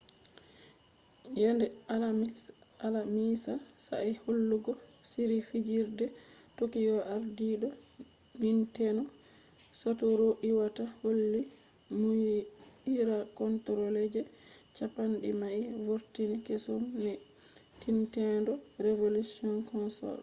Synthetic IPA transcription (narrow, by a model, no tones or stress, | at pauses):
jɛndɛala | alamisasa̰ʔɛholːuɡɔsiɾifid͡ʒiɾdɛ | tokijɔʔaɾdiɗɔ | mintɛnɔ | satɔɾoʔiwataholːi | mu | iɾakɔntɔɾɔlɛd͡ʒɛ | t͡ʃapanɗḭmaivoɾtinikɛsɔmnɛ | tintɛndɔɾevolusiɔnkɔnsɔ̰l